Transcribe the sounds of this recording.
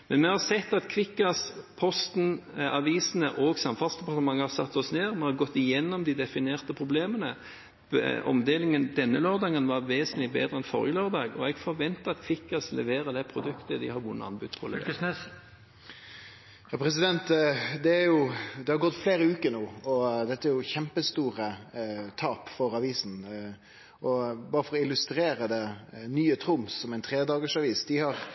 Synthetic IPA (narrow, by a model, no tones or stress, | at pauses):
mɛnmɛhɑʁsɛt̪ːɑt̪kʰʋɪkːɑspʰɔst̪nʔɑʋiːsənəʔɔːɡsɑmfɑnsd̪ɛpʰɑʁt̪əmɑŋːəhɑsɑt̪ːɔsneːʁmɛhɑɾɡɔt̪ːɪjɛnːɔmd̪ɪd̪ɛfɪneːʁt̪əpʰɾʊbleːmənə | ɔ̰md̪eːlɪŋənd̪ɛnːəløːɾd̪ɑːɡənʋɑɾʋeːsənlɪbḛːd̪ɾəɛnfɔ̰ɾjəløːɾd̪ɑːɡɔɛɡfɔɾʋɛnt̪əɑt̪kʰʋɪkːɑslɛ̰ʋeːɾəd̪ɛpʰɾʊd̪ʉkt̪əd̪ɪ̰hɑɾʋʊnːə̰ɑ̰nbʉ̰d̪pʰɔl | jɑːpʰɾɛs̬ɪd̪ɛnt̪d̪ɛæɾjʊd̪ɛhɑɾɡɔt̪ːfleːɾəʉːkəɾnuːɔd̪ɛt̪ːəæɾjʊçɛmpəst̪uːɾət̪ʰɑːpfɔɾɑʋiːsn | ʔɔbɑːɾəfɔɾɔɪlʉst̪ɾeːɾəd̪ɛnyːət̪ʰɾʊmsɔmɛɪnt̪ʰɾeːd̪ɑːɡəʂɑʋiːsd̪ɪhɑɾ